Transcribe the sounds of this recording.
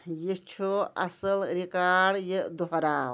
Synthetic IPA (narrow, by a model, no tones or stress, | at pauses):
jit͡ʃʰoɐ̰səlɾikaːɽjed̪oɦɾaːw